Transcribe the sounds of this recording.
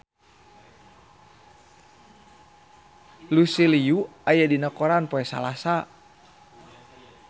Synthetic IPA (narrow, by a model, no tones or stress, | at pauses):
lusiliuajadinakɔɾanpoɛsa̰lasa